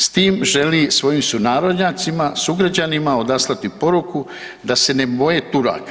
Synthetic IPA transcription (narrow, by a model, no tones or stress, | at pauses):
st̪iːmʒe̞lisʋo̞jiːmsunaːɾo̞d̪ɲaːt̪simasuɡɾad͡ʑanimao̞d̪aslˠat̪ipo̞ɾuku | d̪ase̞ne̞bo̞jet̪uɾa̰ːk